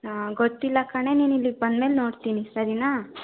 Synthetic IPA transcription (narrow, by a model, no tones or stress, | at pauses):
ɡot̪ːilːɐkɐɳe̞niːnilːiɡ̚bɐnd̪meːlno̞ːɽt̪iːnisɐɾinaː